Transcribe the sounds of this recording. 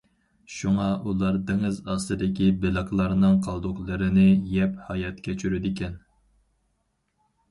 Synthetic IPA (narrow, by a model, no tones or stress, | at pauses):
ʃuŋɑʔulˠɑɾd̪ɪŋɨzɑsɨd̪ɪkʲibɪlˠɨqlˠɑɾnɨŋqʰɑlˠd̪ʊχlˠɨɾɨnɪjɛphɑjɑt̪kʲʰɛt͡ʃʰyɾyd̪ɪkʲʰɛn